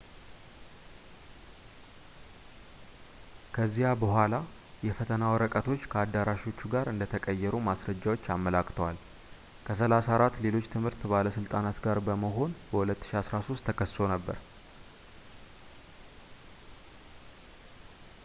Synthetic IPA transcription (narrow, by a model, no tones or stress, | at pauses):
kʰəzːijabəhʷala | jɛfət̪ʰənawɔɾəkʼət̪ʰo̞t͡ʃːkʰəad̪ːaɾaʃo̞t͡ʃːuɡaɾɨnd̪ət̪ʰəkʼəjːɛɾumasɾəd͡ʒːawo̞t͡ʃːamːəlakʰʼt̪ʰəwal | kʰəs̬əlasaɾat̪ːle̞lo̞t͡ʃːt̪ʰɨmhɨɾt̪baləsɨlt̪ʼanat̪ɡaɾbəməɦo̞nbəhulət̪ːɨ̥ʃiasɾaso̞st̪ʰːəkʰəst̪o̞nəbːə̰ɾ